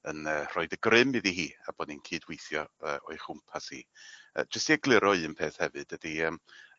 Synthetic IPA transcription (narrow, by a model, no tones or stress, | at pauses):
ənərɔɨdəɡrɪmiðiɦiːa̰bɔninkʰɨːdwejθjɔəʔɔɨχʊmpʰashḭːə̰ːd͡ʒəstiəɡlˠɪɾɔɨənpʰeːθhɛvɨd̥əd̥iəːm